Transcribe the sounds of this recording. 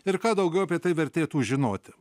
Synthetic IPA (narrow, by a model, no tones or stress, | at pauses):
ɪɾkɑːd̪ɐʊɡʲɛʊɐpʲiɛt̪ɐɪʋʲɛɾʲt̪ʲeːt̪uːʒʲɪnoːt̪ʲɪ